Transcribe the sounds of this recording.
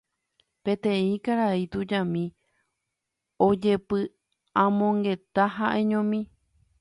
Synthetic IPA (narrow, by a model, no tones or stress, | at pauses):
pẽ̞t̪ẽĩkaɾait̪ud͡ʒãmĩ | od͡ʒe̞pɨ | ãmõ̞ŋɡe̞t̪aɦaʔe̞ɲõmĩ